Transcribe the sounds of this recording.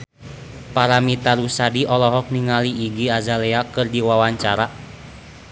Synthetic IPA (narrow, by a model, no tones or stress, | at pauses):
paɾamit̪aɾusadiʔɔlɔɦɔk̚niŋaliːɡiazalɛakɨrdiwawaɲt͡ʃaɾa